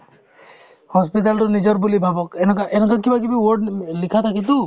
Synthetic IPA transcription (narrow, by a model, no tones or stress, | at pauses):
hɔspit̬altʊnid͡ʒɔɹbulibʱabɔkɛnɛkaʔɛnɛkakibak̬ibiwɔɹɖlikʰat̪ʰakit̪ʊ